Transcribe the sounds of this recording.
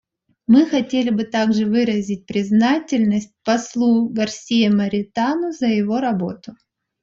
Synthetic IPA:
mɨxɐtʲelʲɪbɨt̪aɡʐɨvɨɾəzʲɪt̚ʲpɾʲɪznatʲɪlʲnəsʲt̚ʲpɐslˠuɡɐrsʲijəməɾʲɪt̪anʊzəjɪvo̞ɾɐbo̞t̪ʊ

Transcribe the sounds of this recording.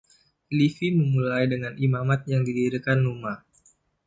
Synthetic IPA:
lifiməmulajdəŋanimamat̪̚jaŋdidiɾikanuma

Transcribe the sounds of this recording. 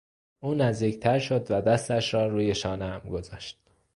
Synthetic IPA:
ʔuːnæzd̪iːct̪ʰæɾʃo̞d̪væd̪æst̪æʃɾɒːɾuːje̞ʃɒːneæmɡo̞zɒːʃt̪̚

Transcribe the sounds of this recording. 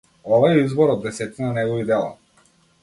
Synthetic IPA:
ɔvaɛizbɔɾɔd̪ːɛsɛt̪inanɛɡɔvid̪ɛlˠa̰

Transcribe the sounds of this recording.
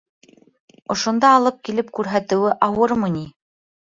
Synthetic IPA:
ŏʃŏnd̪ɑːlˠɤp̚kilɘp̚kʉɾɦæt̪ɘ̆wɘʔɑwɤɾmɤni

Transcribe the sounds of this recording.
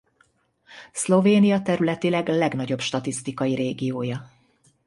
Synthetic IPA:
slo̞veːnijɒt̪ɛɾylɛt̪ilɛɡlɛɡnɒɟo̞bʃt̪ɒt̪ist̪ikɒjiɾeːɡijoːjɒ

